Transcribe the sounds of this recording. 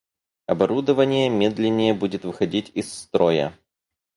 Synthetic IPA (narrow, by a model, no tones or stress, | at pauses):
ɐbɐɾud̪əvənʲɪjəmʲed̪lʲɪnʲːɪjəbudʲɪt̪vɨxɐdʲitʲɪsːt̪ɾojə̰